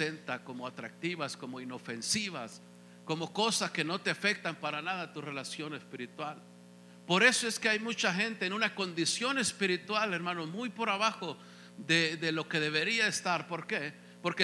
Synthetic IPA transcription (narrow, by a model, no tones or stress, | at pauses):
e̞nt̪ako̞mo̞at̪ɾak̚t̪iβasko̞mo̞ino̞fe̞nsiβas | ko̞mo̞ko̞saske̞no̞t̪eafe̞k̚t̪ampaɾanaðat̪ure̞lasjo̞ne̞spiɾit̪wal | po̞ɾe̞so̞e̞ske̞ajmut͡ʃaxe̞nt̪eːnunako̞nd̪isjo̞ne̞spiɾit̪wale̞ɾmãno̞zmujpo̞ɾaβaxo | ðedðelo̞ke̞ðe̞β̞e̞ɾiaest̪aɾpo̞ɾke̞ | po̞ɾke